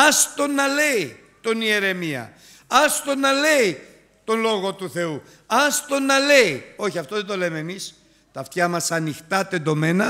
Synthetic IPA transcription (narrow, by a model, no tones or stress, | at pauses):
ɐst̪o̞nɐle̞i | t̪o̞nie̞ɾe̞miɐ̰ | ɐst̪o̞nɐle̞i | t̪o̞nlo̞ɣo̞t̪uθe̞u | ɐst̪o̞nɐle̞io̞çiɐft̪oðed̪o̞le̞meːmis | t̪ɐft̪çɐmɐsɐnixt̪ɐt̪e̞d̪o̞me̞nɐ